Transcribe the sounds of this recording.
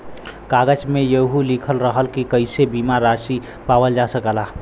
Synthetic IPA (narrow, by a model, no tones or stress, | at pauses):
kaɡəd͡ʒmejəɦulikʰəlɾəɦəlkikəɪsebimaɾasi | pawəld͡ʒasəkəla